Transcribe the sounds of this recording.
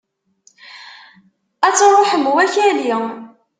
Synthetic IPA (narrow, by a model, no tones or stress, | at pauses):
æt͡sːɾˤoħəmwæçæli